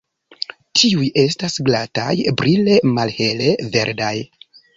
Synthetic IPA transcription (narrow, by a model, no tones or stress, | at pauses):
tʰiujʔe̞stasɡlata̰jbɾile̞malhe̞le̞ve̞ɾdaj